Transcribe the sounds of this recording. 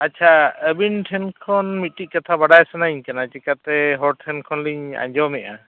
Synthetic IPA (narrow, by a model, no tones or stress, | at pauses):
at͡ʃʰaəbinʈʰɛnkʰɔnmiʈic̚kat̪ʰabaɖajsanaiɲkanat͡ʃikat̪ɛɦɔɾʈʰɛnkʰɔnliɲa̰ɲd͡ʒɔmɛʔa̰